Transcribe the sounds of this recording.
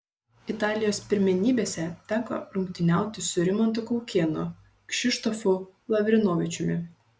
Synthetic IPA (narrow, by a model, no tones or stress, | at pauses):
ɪt̪ɑːlʲɪjoːspʲɪɾʲmʲɛnʲiːbʲeːsʲɛt̪ʲɛŋkɐ̰lʊŋʲkʲt̪ʲɪnʲæˑʊt̪ʲɪsʊɾʲɪmɔnt̪̬ʊkɔʊkʲeːnʊ | kʃʲɪʃt̪ɔfʊlˠɐʋʲɾʲɪnoːʋʲɪt͡ʃʲʊmʲɪ̰